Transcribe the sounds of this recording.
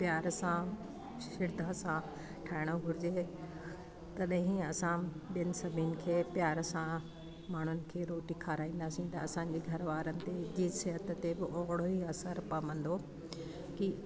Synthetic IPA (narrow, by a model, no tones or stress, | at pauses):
pjaːɾsã | ʃɪɾd̪ʱasã | ʈʰaːɪɽ̃oɡʱʊɾɪd͡ʑe | t̪ɐɗɦĩɐsãɓijənɪ̆sɐbʱinɪ̆kʰeːpjaːɾsã | maːɳ̤ʊnɪ̆kʰeːɾoːʈikʰaːɾaːĩːn̆d̪aːsĩt̪ɐɐsãːɲd͡ʑeɡʱɐɾʋaːɾənɪ̆t̪ed͡ʑiːsɪɦət̪̆t̪ebɪʔɔːɦɽoɦiɐsəɾpɐmə̃n̆d̪o | ki